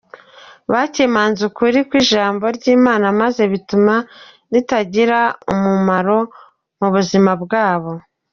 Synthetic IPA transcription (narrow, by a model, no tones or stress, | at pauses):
βaːcemaːnzukuɾikwiːʒaːmbo̞ɾɟiːmaːnamaze̞βituma | nitaɟiɾaumumaɾo̞ | muβuzimabɡaːβo̞